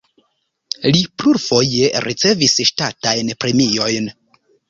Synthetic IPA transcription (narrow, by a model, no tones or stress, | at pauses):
lipluɾfo̞je̞ɾʔit͡se̞visʃtatajnpɾe̞mio̞jn